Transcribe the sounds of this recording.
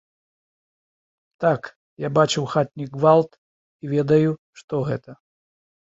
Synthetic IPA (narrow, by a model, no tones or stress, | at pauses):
t̪ak | jabat͡ʂɨwxat̪̚ʲnʲiɡɡvalˠt̪ | ivʲɛd̪ɐju | ʂt̪ɔɣɛt̪ɐ